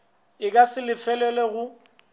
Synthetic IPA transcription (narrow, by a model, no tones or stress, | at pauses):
ɪk̬ʼasɪlɪfɛlɛlɛɣʊ